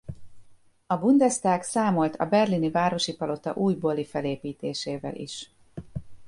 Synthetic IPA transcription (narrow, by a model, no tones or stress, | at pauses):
ɒbund̪ɛst̪aːksaːmo̞lt̪ʰɒ̰bɛrlinivaːɾo̞ʃipɒlo̞t̪ɒ̰ʔuːjbolifɛleːpiːt̪eːʃeːvɛ̰lʔḭʃ